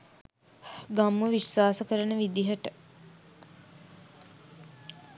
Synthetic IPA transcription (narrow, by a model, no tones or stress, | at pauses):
ɡamːəʋiʃʋaːsəkəɾənəʋid̪iɦəʈə